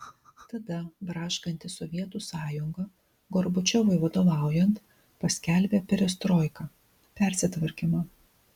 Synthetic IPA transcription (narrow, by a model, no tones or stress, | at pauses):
t̪ɐd̪ɐbɾɑːʃkɐnʲt̪ʲɪsɔʋʲiɛt̪uːsɑːjʊŋɡɐ | ɡɔɾbʊt͡ʃʲɔʋʊɪʋɐd̪oːʋɑˑʊjɛnt̪ | pɐsʲkʲæˑlʲbʲeːpʲɛɾʲɛst̪ɾɔːɪkɐ | pʲɛˑɾʲsʲɪt̪ʋɐɾʲkʲimɐ